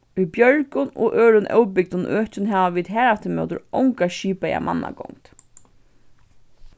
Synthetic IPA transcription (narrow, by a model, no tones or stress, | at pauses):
ibjœɹkʊnɔʔøːɹʊnʔœ̰wpɪk̚d̪ʊnøːht͡ɕɪnɦaːʋaʋiːt̪ɦæːɹaft̪ɪmœ̰ːt̪ʊ̰ɾɔwŋkaʃiːpaja̰mʔa̰nːa̰kɔ̰ŋt̪